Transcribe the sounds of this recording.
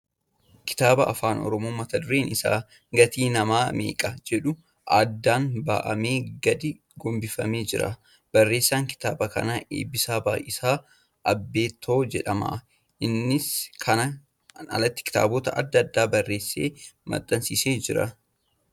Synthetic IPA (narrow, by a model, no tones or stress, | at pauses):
kɪ̥t̪aːbɐʔɐfaːnɔ̰ɾɔmoːmɐt̪ɐd̪ʊɾe̞ːnɪsa̰ː | ɡɐt̪iːnɐmaːmḛːkʼɐd͡ʒɛᶑʊ | ʔaːd̪ːaːnba̰ːʔɐme̞ːɡɐd̪ɪ | ɡɔmbɪfɐme̞ːd͡ʒɪɾɐ̰ | b̥ɐrːe̞ːsːaːŋkɪ̥t̪aːbɐkɐ̰naʔḛːbːɪsaːbaːʔɪsaː | ʔɐbːe̞ːt̪ʰːoːd͡ʒɛᶑɐmɐ̰ | ʔɪnːɪskʰɐnɐ | nɐ̰lɐt̪ːɪ̥kɪ̥t̪a̰ːboːt̪ɐʔɐd̪ːɐɐd̪ːaːbɐrːe̞ːsːḛːmɐ̰t̪ʼːɐnsiːseːd͡ʒɪɾɐ̰